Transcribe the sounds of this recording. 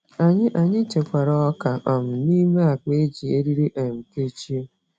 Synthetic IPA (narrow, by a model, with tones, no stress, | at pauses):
a˨ɲɪ˦ʔa˨ɲɪ˦t͡ʃe˨kʷa˨ɾɔ˨ɔ˦ka˨ʔɔ˨m̩˨niː˦me˦a˨k͡pe˦d͡ʒi˨e˦ɾi˦ɾi˦ʔe˨ŋ͡m̩˨ke˦t͡ʃi˦o˦